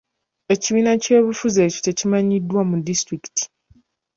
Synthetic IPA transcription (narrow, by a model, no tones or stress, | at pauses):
e̞ciβiːnace̞ːβufuzeːco̥te̞cimaɲidwamudistɾiki̥ti̥